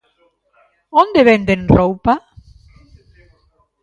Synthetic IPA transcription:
ond̪eβend̪enrowpa

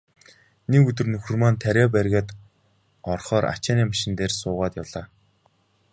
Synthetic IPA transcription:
nekɵt̪ɵ̆rnɵxɵ̆rmant̪ʰæɾʲæːp̬æɾʲɣʲăːt̪ | ɔrχɔːɾa̰t͡ɕaːniːmaʃɪ̆nt̪eːrsʊːʁaːt̪jaɮaː

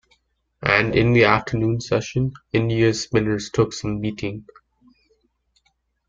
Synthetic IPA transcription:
ʔæ̃nɖɪ̃nd̪iæftʰənũːnsɛʃə̃nɪ̃ndijəsmɪ̃nəstʰʊksʌ̃mːiːtʰɪ̃ŋ

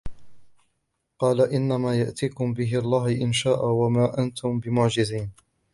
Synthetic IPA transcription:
qɑːlaʔɪnːamaːjaʔt̪iːkʊmbɪɦɪɑlˤːɑːhʔɪnʃaːʔawamaːʔant̪ʰʊmbɪmʊʕd͡ʒɪziːn

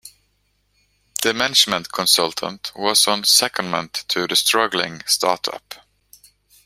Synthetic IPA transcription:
ðəmænɪd͡ʒmə̃ntkʰɔ̃nsʌlˠt̪ʰə̰̃ntwʌsə̃n̩sɛkə̃nmə̰̃ntʰɨðɨstɹ̥ʌɡl̩ˠɪ̰̃ŋstʰɑ̰ːtʰʌ̰p

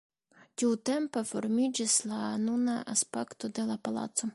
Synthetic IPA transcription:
tʲiwt̪ɛmpefoɾmʲid͡ʒislˠanunaʔaspɛkt̪od̪elˠapalˠa̰t̪so

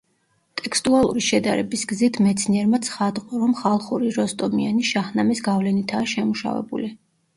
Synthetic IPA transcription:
t̪ʼɛkʰst̪ʼualˠṵɾiʃɛd̪aɾɛ̰bisɡzit̪ʰmɛt̪sʰniɛɾmat̪sʰχad̪qʼwɾɔmχalˠχuɾiɾɔst̪ʼɔmianiʃaχnamisɡavlɛnit̪ʰaːʃɛmuʃa̰vɛ̰bṵli

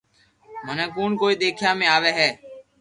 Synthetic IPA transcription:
mənẽːkuːɳkoːiːɗ̪eːkʰjãːmẽːaːʋeːɦɛː

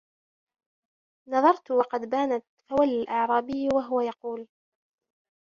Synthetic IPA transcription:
nɑðˤɑɾˤt̪wɑqɑd̪baːnaawalːalʔɑʕɾˤɑːbɪjːwaɦʊwajɑquːl

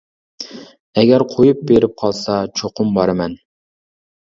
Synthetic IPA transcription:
ɛɡʲɛɾqʰojup̚beɾɪp̚qʰɑlˠsɑt͡ʃʰoqʊmbɑɾɨmɛn

